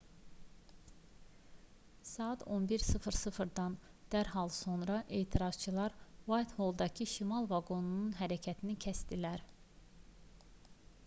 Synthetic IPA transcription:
sɑːɑt̪ʰo̞nbiɾsɯfɾsɯfɾd̪ɑn | d̪̥æɾɦɑlˠso̞nɾɑʔe̞ːt̪ʰiɾɑz̥t͡ʃʰɯlˠɑɾvɑjt̪ho̞lˠd̪ɑcʰiʃimɑlˠvɑɡo̞nununɦæɾæcʰæt̪ʰinicʰæst̪ilæɾ

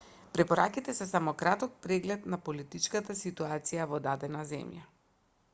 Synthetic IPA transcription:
pɾɛpɔɾakit̪ɛsɛsamɔkɾat̪ɔk̚pɾɛɡlɛt̪napolit̪it͡ʃkat̪asit̪uat̪sijavɔd̪ad̪ɛnazɛ̰mja

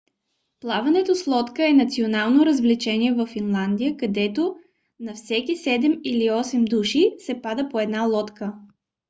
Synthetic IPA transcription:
plˠavɐnɛt̪oslˠɔt̪kəɛnɐt̪sionalˠnoɾəzvlit͡ʃɛniɛvəfːinlˠand̪ijəkɐd̪ɛt̪o | nɐfsɛkisɛd̪ɛmiliɔsɛmd̪uʃisɛpad̪əpoɛd̪nalˠɔt̪kə

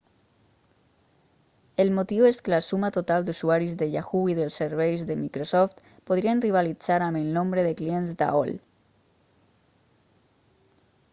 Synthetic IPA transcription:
elmot̪iweskelasumat̪ot̪ald̪usuaɾizðeʎaxuiðelsːeɾβ̞ejzðemikɾosɔft̪ | poð̞ɾianriβ̞alid͡zaɾamelnõmbɾeðeklienzd̪a̰o̰l

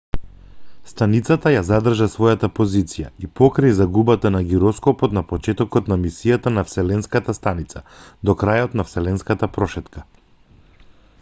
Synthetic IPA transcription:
st̪anit̪sat̪ajazad̪r̩ʒasvɔjat̪apozit̪sija̰ipɔkɾajzaɡubat̪anaɡiɾɔskɔpɔt̪napɔt͡ʃɛt̪ɔkɔt̪namisijat̪anafsɛlɛnskat̪ast̪anit̪sad̪ɔkɾajɔt̪nafsɛlɛnskat̪apɾɔʃɛt̪ka

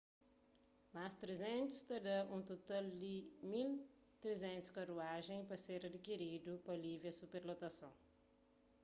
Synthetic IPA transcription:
mast̪ɾezẽnt̪ʊ̥st̪ed̪ɐʔũt̪ot̪ald̪ɪmil | t̪ɾezẽnt̪ʊ̥skaɾuaʒẽj̃pɾɐseɾɐd̪ikiɾid̪ʊpɐliviɐsupeɾlot̪ɐsɐ̃w̃

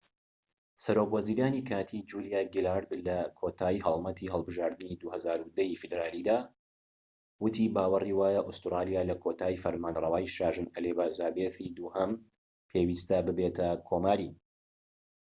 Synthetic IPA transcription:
sɐɾokwɐziːɾaːnikʰaːt̪ʰid͡ʒulijaːɡilaɾd̪lɐkʰot̪ʰaːjɦɐlˠmɐt̪ʰiɦɐlˠbɨʒaːɾd̪ɨnid̪uhɐzaːɾud̪ɐjifɨd̪ɾaːlid̪aː | wɨt̪ʰibaːwɐriwaːjaʔust̪ɾaːlijaːlɐkʰot̪ʰaːjfɐɾmaːnrˤɐwaːjʃaːʒɨnɐlebaːzaːbeːθid̪uːhɐm | pʰeːwiːst̪ɐbɨbet̪ʰɐkʰoːmaːɾi

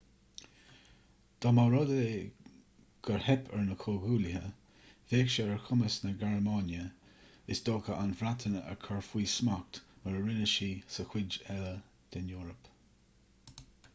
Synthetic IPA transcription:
d̪̥ɔmawɾɔd̪əe | ɡ̥əɹhɛpʰɛɹnəkʰoɡuːlɪɦə | veːkʃəəɹkʰʊməsnəɡaɹmaːnjə | ɪsd̪oːkəʔanvɾat̪ʰənəɛ̰ɹkʰɔɹfwiːsmak̚t̪məɹɹɪnəʃiːsəxwɪd͡ʒɛlə | d̪̥ɛnjuːɾəp

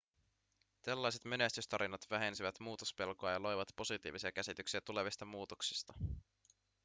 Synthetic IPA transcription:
t̪elːɑjse̞t̪me̞nest̪yst̪ɑɾinɑt̪ʋæɦe̞nsiʋæt̪muːt̪ospe̞lkoɑjɑlo̞jʋɑt̪po̞sit̪iːʋisiɑk̟æsit̪yksiæt̪ule̞ʋist̪ɑmuːt̪oksi̥st̪ɑ

